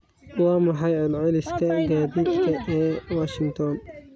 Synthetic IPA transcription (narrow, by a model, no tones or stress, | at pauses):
wɑːmʊħɑjʕɪlʕɪlɪskʰɐɡaːðiːd̪kʰɐɛːwaːʃɪŋt̪ʰɔn